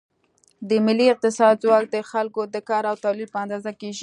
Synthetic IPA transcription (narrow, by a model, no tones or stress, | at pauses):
d̪əmɪlːiɪq̚t̪ɪsɑd̪zwɑk̚d̪əxalkod̪əkɑɾawt̪alilpəand̪ɑzakeʒi